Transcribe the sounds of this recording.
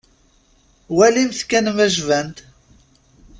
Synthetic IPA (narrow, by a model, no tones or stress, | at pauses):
wælimθkænmæʒvænt̪